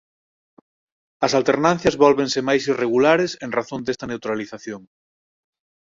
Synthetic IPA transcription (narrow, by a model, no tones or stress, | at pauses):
ɐsalt̪eɾnãn̟θjazβɔlβensemajsireɣ̞ulaɾeseŋraθõnd̪est̪ɐnewt̪ɾaliθaθjoŋ